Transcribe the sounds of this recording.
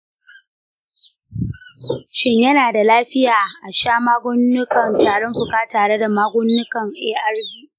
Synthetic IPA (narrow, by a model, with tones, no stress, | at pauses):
ʃɪ˦ɲjɐ˦naː˨da˨laː˦ɸɪ˦jaː˨ʔa˨ʃaː˦maː˦ɡʷʊ˦nːʊ˦kɐ˨ntaː˨ɽɪ˦mɸʊ˨kaː˦taː˨ɽe˦da˨maː˦ɡʷʊ˦nːʊ˦kɐ˨ŋʔeː˦ʔɐ˦rbiː˦ʔ